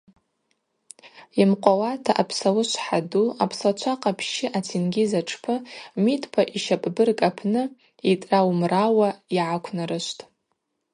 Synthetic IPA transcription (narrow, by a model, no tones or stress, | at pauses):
imqʷʼawatʰaʔapʰsawʊʃʷħaduapʰsat͡ʃʷʰaqʼapʰʃɪʔat͡sʰinɡʲizaʈ͡ʂʰpʰɨmitʼpʰaʔiʃapʼbɨrkʼapʰnɨ | itʼrawmrawaiʕakʷʰnaɾɨʃʷtʼ